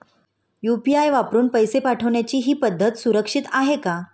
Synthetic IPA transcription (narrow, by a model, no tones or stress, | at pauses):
jupiajʋapɾuːnpəjsepaʈʰəʋɳjat͡ɕiːɦiːpəd̪ʱːət̪suɾəkʂit̪aɦeka